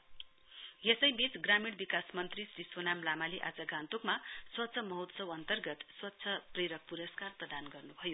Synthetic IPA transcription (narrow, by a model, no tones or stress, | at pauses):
jesʌjbit͡sɡramiɽbikasmʌnt̪risrisonamlamaleʔad͡zʌɡãnt̪ukmaswʌt̪ːsʰʌmʌɦut̪sʌwʌnt̪ʌrɡʌt̪swʌt̪ːsʰʌpreɾʌk̚puɾʌskarprʌd̪anɡʌrnubʱʌjo